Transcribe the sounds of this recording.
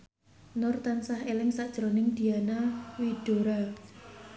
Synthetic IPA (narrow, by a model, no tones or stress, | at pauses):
nʊrt̪ansahelɪŋsaʔd̥ʒ̥ɾonɪŋd̪̥ianawiɖ̪̥o̤ɾa